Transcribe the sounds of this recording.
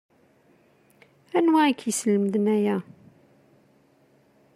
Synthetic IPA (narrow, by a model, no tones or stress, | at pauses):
ænwæikʰːjəsləmd̪næjæ